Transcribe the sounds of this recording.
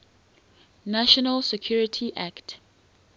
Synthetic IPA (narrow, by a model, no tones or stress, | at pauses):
naʃɔnalsɛkʰjuɹitʰiʔakt